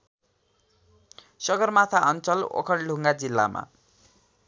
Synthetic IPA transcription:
sʌɡʌrmat̪ʰaʌnt͡sʌlo̰kʰʌɳɖʱuŋɡad͡zilːa̰ma̰

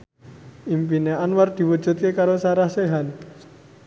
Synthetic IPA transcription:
impineʔanward̪̥i̤wud̥ʒ̥ṳt̪̚kekaɾosaɾahseɦan

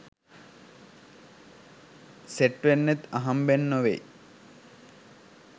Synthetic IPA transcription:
seʈʋenːet̪aɦambenːoʋḛj

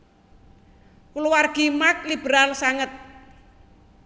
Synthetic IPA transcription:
kuluwarɡ̥imak̚lib̥ɾalsaŋət̪̚

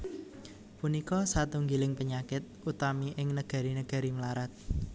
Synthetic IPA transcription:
punikɔsat̪uŋɡilɪŋpəɲakɪt̪̚ʔut̪amiʔɪŋnəɡ̥a̤ɾinəɡ̥a̤ɾimlaɾat̪̚

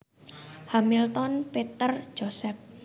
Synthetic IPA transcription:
hamilt̪ɔnpet̪ər̥ʒ̥osɛp̚

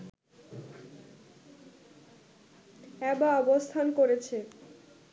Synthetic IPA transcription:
ɛbaɔbost̪ʰankoɾet͡ɕʰe

